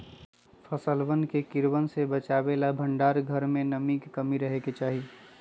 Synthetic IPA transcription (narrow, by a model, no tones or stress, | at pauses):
pʰəsəlbənkekɪɾwənsebət͡ʃaːbelabʱə̃ɳɖaːɾɡʱəɾmẽnəmikkəmiɾəɦeket͡ʃaːɦi